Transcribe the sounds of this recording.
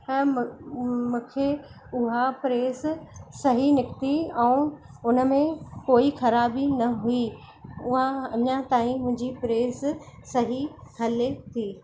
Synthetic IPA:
mũːkʰe | ʊɦapɾeːssɐɦinɪkt̪iɛ̃ũ | ʊnə̆mẽkoːixɐɾaːbinɐɦui | ʊɦaɐɲãt̪aːĩmʊ̃ɦɪ̃ɲd͡ʑipɾeːssɐɦikɐlet̪ʰiː

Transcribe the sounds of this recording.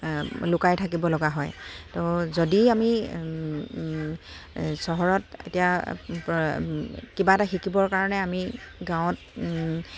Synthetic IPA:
lʊkajtʰak̬ibɔlɔɡaɦɔjtozodiami | sɔɦɔɹɔtḛtija | kibataxikibɔɹkaɹɔnɛamiɡãw̃t̚

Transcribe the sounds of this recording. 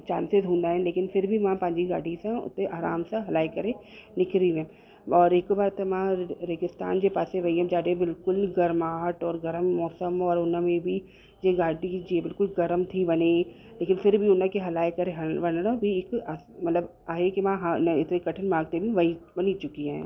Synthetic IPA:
t͡ʃaːnsɪzɦõːnd̪aːɦɛ̃nleːkɪnfʰɪɾbʱimãpɐ̃ɦɪ̃ɲd͡ʑiɡa̰ːɽisãʊ̰t̪eʔaːɾaːmsãɦɐlaːekɐɾe | lɪkʰɾiiɛ̃ː | ɔːɾɪkbaːɾt̪emãɾeːɡɪst̪a̰ːnd͡ʑepaːsẽʋɐiɦɛ̃d͡ʒaːɖebɪlkʊlɡɐɾmaːɦəʈɔːɾɡɐɾəmːɔːsəmɔːɾʊnãmẽbʱi | d͡ʒeɡaːɖid͡ʒiebɪlkʊlɡɐɾmt̪ʰibɐne | leːkɪnfɪɾbʱiʊnãkeɦɐlaːekɐɾeɦɐbɐnɾãbʱiɪkːmɐt̪ləb | aːɦekiʋãɦanɪt̪nekɐʈʰənmãːɡ̚t̪ebʱiʋɐibɐnit͡ʃʊkiɛ̰̃ː

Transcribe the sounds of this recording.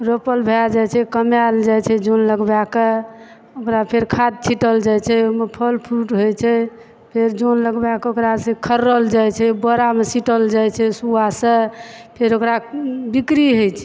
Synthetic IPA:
ɾopəlbʱead͡ʒat͡ʃʰɛkəmjald͡ʒajt͡ʃʰɛd͡ʒonləɡbake | okɾapʰeɾkʰad̪̚t͡ʃʰiʈəld͡ʒajt͡ʃʰɛomepʰəlpʰuʈɦojt͡ʃʰɛ | pʰeɾd͡ʒonləɡbakeokɾasẽkʰəɾːəld͡ʒajt͡ʃʰɛbəɾamesiʈəld͡ʒajt͡ʃʰɛsuasə̃pʰeɾokɾabikɾiɦojt͡ʃʰɛ

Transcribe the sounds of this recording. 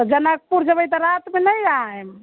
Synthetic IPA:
ɔd͡ʒənək̚puɾd͡ʒəbəjt̪ɔɾat̪menəjaɛm

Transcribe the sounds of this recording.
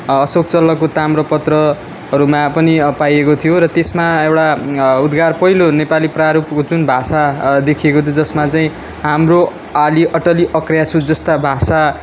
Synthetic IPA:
ʌsok̚t͡sʌlːʌkot̪amrʌpʌt̪rʌ | ɦʌɾumapʌnipajekot̪ʰijoɾʌt̪esmaewʈaud̪ɡarpʌɦilonepalipraɾupkod͡zunbʱasad̪ekʰiekot̪ʰjod͡zʌsmat͡saĩ | ɦamro | aliʔʌʈʌliʔʌkrjat͡sʰud͡zʌst̪abʱasa

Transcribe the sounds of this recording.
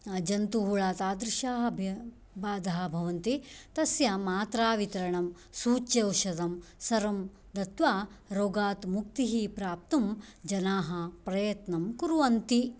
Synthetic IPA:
d͡ʒɐnt̪uɦuɭaːt̪aːd̪ɾɪʃaːɦɐbʱjɐ | baːd̪ʱɐɦɐ̆bʱɐʋɐnt̪it̪ɐsjɐmaːt̪ɾaːʋit̪ɐɾɐɳɐm | suːt͡ʃjɐwʃɐd̪ɐmsɐɾɐm | d̪ɐt̪ʋaːɾoːɡaːt̪muk̚t̪iɦipɾaːp̚t̪ɐmd͡ʒɐnaːɦɐpɾɐjɐt̪nɐmkuɾuʋɐnt̪i

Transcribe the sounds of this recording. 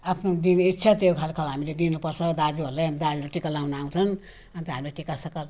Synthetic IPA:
apʰnod̪initːt͡sʰat̪eokʰalkʰalɦamiled̪inupʌrt͡sʰʌd̪ad͡zuɦʌɾlajɦand̪ad͡zulaʈikalawnaaw̃t͡sʰʌn | ʌnt̪ʌɦamileʈikasʌkʌl

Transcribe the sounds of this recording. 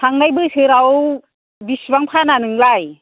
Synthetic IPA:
sʰaŋnajbɯsɯɾaw | bisbaŋpʰananɯŋlaj

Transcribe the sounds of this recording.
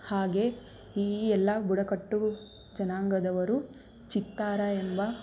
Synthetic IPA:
haːɡe̞ | iːɛlːɐbuɽɐkɐʈːu | d͡ʒɐnaːŋɡɐd̪ɐʋɐɾu | t͡ʃit̪ːaːɾɐembɐ

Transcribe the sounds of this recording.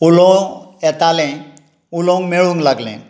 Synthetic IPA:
ulɔ̃ɛt̪alẽ | ulõŋɡmeɭũŋɡlaɡlḛ̃

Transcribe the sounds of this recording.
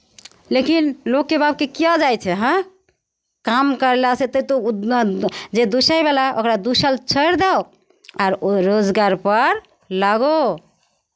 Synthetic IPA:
lekinlokːebab̚kekijad͡ʒajt͡ʃʰɛɦə̃ | kamkəɾlaset̪əit̪o | d͡ʒed̪usəjbalaokɾad̪usəlt͡ʃʰəɾd̪e | aɾɾod͡ʒɡaɾpəɾ | laɡo

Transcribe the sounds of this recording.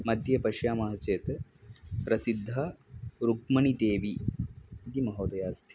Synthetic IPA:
mɐd̪ʱjɐpɐʃjaːmɐɦɐt͡ʃeːt̪ | pɾɐsid̪ʱːɐɾukmɐɳid̪eːʋi | d̪imɐɦoːt̪ɐjaːst̪ʰi̥

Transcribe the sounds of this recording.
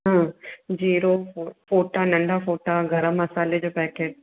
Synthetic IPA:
ɦãːd͡ʑiːɾofoːʈanɐ̃ɳɖʱafoːʈaɡɐɾəmːɐsaːled͡ʑoːpɛːkeːʈ̚

